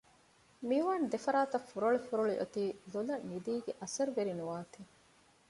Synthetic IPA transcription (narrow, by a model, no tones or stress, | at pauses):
miʋaːnd̪efɐɾaːt̪ɐfuɾoɭifuɾoɭiʔot̪iːlolɐid̪iːɡeʔɐsɐɾʋeɾinuʋaːt̪i